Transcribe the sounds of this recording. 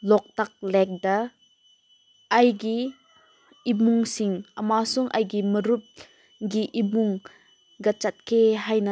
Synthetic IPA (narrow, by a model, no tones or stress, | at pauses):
lɔk̚t̪ak̚lɛk̚d̪ɐ | ʔɐjɡi | imuŋsiŋʔɐmasɔŋʔajɡiməɾup̚ | ɡiʔimuŋ | ɡɐt͡ʃat̪̚keɦajna